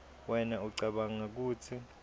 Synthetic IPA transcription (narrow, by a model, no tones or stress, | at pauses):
wɛnauǀaɓaŋak̬uːtʰi